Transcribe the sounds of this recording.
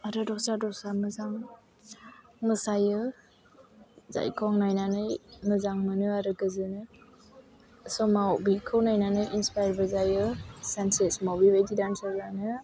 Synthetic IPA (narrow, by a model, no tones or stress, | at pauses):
aɾɯdɔk̚sadɔk̚samɯzaŋ | mɯsajɯ | za̰jkʰɔŋnajnanɯjmɯzaŋmɯnɯaɾɯɡɯzɯnɯ | sɔmawbikʰɯwnajnanɯjinspajɾbəlzajɯsansesmawbibajdidansɔɡɾanɯ